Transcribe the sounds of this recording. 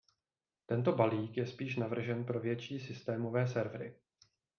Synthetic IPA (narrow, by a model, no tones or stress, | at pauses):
t̪ɛnt̪o̞baliːkjɛspiːʃnavr̩ʒɛnpɾo̞vjɛt͡ʃiːsɪst̪ɛːmo̞vɛːsɛɾvɾɪ̰